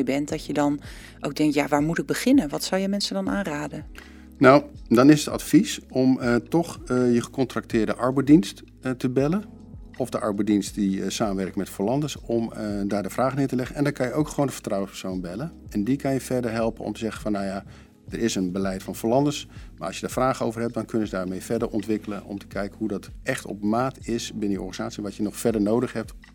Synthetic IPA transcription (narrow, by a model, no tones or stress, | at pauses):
jbɛntdɑcjədɑn | ʔo̰wɡ̚dɛŋ̚tjaʋaːɹmutɪɡ̚bəχɪnənʋɑtsʌwjəmɛnsədɑnʔaːnraːdən | nawdɑnɪsətɑ̰tfisɔmtɔχjəχə̥kɔntrɑk̚tɪːɹdəʔɑɹbɛdinst | təbɛlən | ɔfdəʔɑ̰ɹbɛdinstdisaːmənʋɛrkəmɛtfolɑndəsɔmdaːɹdəfraːχənɪːtəlɛχəɛndɑnkɑnjəowkχəʋoːwndəv̥ə̥ɹtrɑwənspə̥ɹsownbɛlənɛndikɑnjəvɛɹdəɹɦɛlˠpənɔ̰mtəzɛχəfɑnːaja | d̥əɹɪsənbəlɛjtfɑnfolɑndəsmaːɑsjədaːfraːχəowvərɦɛp̚dɑnkɵnəzədaːɹmejvɛɹdəɹʔɔntʋɪkələnɔ̰mtə̥kɛjkəɦudɑtɛχtɔ̰pmaːtɪsbɪnəjəɔ̰ɹχənizaːtsiəʋɑtjənɔχfɛɹdəɹnowdəχɦɛp̚t